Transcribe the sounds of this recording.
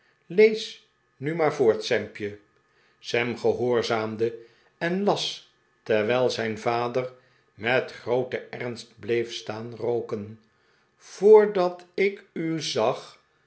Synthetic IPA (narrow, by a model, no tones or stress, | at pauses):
lejs | nymaːɹvʊːɹtsɛmpjə | sɛmχəɦʊːɹzaːmdə | ɛnlɑs | tɛɹʋɛjlˠzɛjnvaːdər | mɛtχrowtəɛrnst̚blejfstaːnrowkən | v̥ʊːɹdɑtɪkyzɑχ